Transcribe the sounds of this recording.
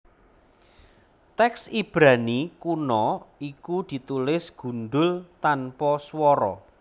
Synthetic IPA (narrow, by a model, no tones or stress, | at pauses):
t̪ɛksib̥ɾanikunɔikud̪̥i̤t̪ulɪsɡ̥ṳnɖ̪ʊlt̪anpɔswɔɾɔ